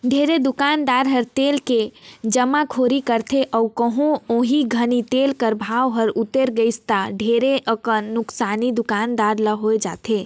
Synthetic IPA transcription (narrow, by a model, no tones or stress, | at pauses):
ɖʱeːɾed̪ʊkaːnd̪aːɾɦəɾt̪eːlked͡ʒəmakʰoːɾikəɾt̪ʰeʔɔukəɦõõːɦiɡʱənit̪eːlkəɾbʱaːʋɦəɾʊt̪eɾɡəɪst̪aɖʱeɾeʔəkənːʊksaːnid̪ʊkaːnd̪aːɾlaɦoed͡ʒa̰ːt̪ʰeː